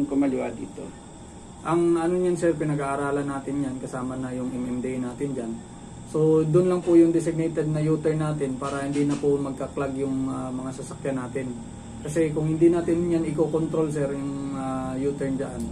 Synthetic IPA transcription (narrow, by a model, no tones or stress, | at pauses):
ŋkʊmɐlɪwad̪ḭːt̪o̰ | ʔɐŋʔɐnoɲansɛɾpɪnɐɡaʔːɾaːlɐnːaːt̪ɪnjankɐsaːmɐnɐjʊŋʔɛmʔɛmd̪ɛjnaːt̪ɪnd͡ʒan | so̞d̪ʊnlɐŋpʊjʊŋd̪ɛsɪɡ̚nɛjt̪ɛd̪̚nɐjuːt̪ɛɹnaːt̪ɪnpaːɾɐhɪnd̪iːnɐpʊmɐɡ̚kɐklaɡjʊŋɐmɐŋasɐsɐkjanːaːt̪ɪn | kɐsɛkʊŋhɪnd̪inaːt̪ɪnjanɪkoːkont̪ɾo̞lsɛɾjʊŋajuːt̪ɛɹnd͡ʒɐ̰ʔa̰n